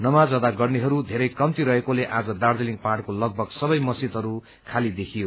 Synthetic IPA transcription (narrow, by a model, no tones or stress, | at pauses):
nʌmad͡zʌd̪aɡʌrniɦʌɾud̪ʱeɾʌjkʌmt̪iɾʌɦekoleʔad͡zʌd̪ard̪eliŋpaɽkolʌɡ̚bʱʌɡsʌbʌjmʌsit̪ɦʌɾu | kʰalid̪ekʰijo